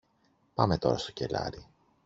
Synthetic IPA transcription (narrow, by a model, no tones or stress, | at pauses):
pɐme̞t̪o̞̰ɾɐst̪o̞̥ce̞lɐ̰ɾi